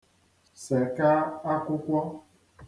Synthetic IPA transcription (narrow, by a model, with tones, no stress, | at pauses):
sɛ˨ka˦a˦ku˦kʷɔ˦